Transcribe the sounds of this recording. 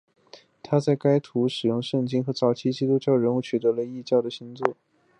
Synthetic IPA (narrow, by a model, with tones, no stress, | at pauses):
t̪ʰa˥t͡sa˥˩ɪka˥ɪt̪ʰu˧˥ʂɻ̩˨˩jʊ˥˧ŋʂə˥˩ŋt͡ɕi˥ŋxɤ˧˥t͡sɑ˨˩ʊt͡ɕʰi˥t͡ɕi˥t̪u˥t͡ɕjɑ˥˩ʊɻə˧˥nu˥˩t͡ɕʰy˨˩t̪ɤ˧˥lə˧i˥˧t͡ɕjɑ˥˩ʊd̪ə˩ɕi˧˥ŋt͡swɔ˥˩